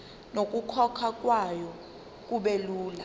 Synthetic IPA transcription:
nok̬ʼukʰɔkʰak̬ʼwajɔ | k̬ʼuɓeluːla

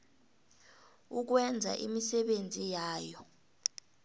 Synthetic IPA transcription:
uk̬wɛnd͡zʱa̰ʔimisɛɓend͡zʱijaːjɔ

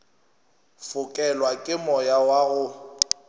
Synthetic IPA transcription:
fʊkʼɛlwakʼɪmɔjawaɣʊ

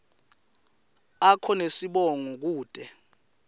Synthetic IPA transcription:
akʰɔnesiɓɔŋɔk̬uːd̥ʱɛ

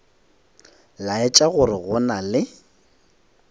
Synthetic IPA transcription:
laɛt͡ʃʼaɣʊrɪɣʊnalɪ

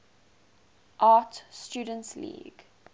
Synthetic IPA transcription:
ʔɑːtstuːdə̃ntlḭːɡ̥

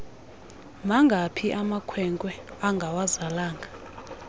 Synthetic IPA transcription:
maŋɡʱapʰiʔamakʰwɛŋkʼwɛaŋɡʱawazalaːŋɡʱa

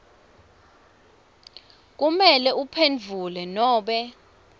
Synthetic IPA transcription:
k̬umɛlɛupʰend͡vʱulɛnɔːɓɛ

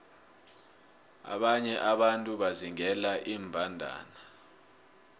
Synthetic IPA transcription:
a̰ɓaɲɛʔaɓantʼuɓaziŋɛlaʔiːmbʱandʱa̰ːna

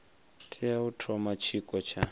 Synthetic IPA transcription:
tʰijautʰɔmat͡ʃʰikʼɔt͡ʃʰa

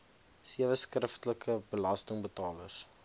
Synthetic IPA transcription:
siəvəskrəftələkʰəbəlɐstəŋbətɑːlə̰s

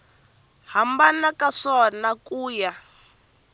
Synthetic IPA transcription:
hambanakaʂɔnakuːja

